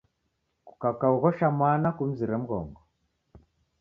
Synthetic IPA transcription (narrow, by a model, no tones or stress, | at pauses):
ku̥kakauɣɔʃamanakum̩ziɾɛm̩ɣɔ̰ŋɡɔ